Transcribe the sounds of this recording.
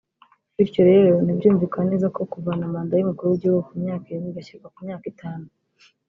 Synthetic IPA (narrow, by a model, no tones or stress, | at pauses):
iɾcoɾe̞ːɾo̞nibɟuːɱvikaneːzako̞kuvanamaːndajumukuɾuɟiukumɲaːkiɾinɡiɡaciɾkakumɲaːkitʰaːnu